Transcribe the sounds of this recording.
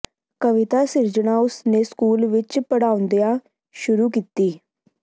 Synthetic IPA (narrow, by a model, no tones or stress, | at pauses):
kəʋɪt̪aːsɪɾd͡ʒəɽaːʊsneːskuːlʋɪt͡ʃpəɽaːʊ̃nd̪ejaː | ʃʊɾuːkiːt̪iː